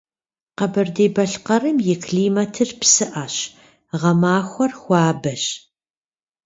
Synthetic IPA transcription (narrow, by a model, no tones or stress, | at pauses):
qɐbɐrdeːbɐɬqɐrɨmjɪkʰɮiːmɐtʰɨrpsɨʔɐɕ | ʁɐmaːxʷɔrxʷɑːbɐɕ